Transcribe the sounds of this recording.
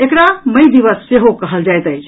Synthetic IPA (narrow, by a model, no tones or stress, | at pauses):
ekɾaməjd̪iʋəsːeɦokəɦəld͡ʒajt̪əjt͡ʃʰ